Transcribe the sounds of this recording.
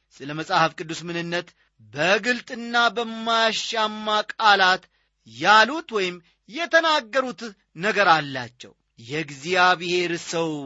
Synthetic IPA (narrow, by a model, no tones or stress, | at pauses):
sɨləməsʼahəfkʼɨd̪ːusmɨnɨnːət̪ | bəɡɨlt̪ʼɨnːabəmːajʃamːakʼalat̪ | jalut̪wɔjɪm | jɛt̪ʰənaɡːəɾut̪ | nəɡəɾalːa̰t͡ʃːɛ̰w | jɛɡzijaβihe̞ɾsəw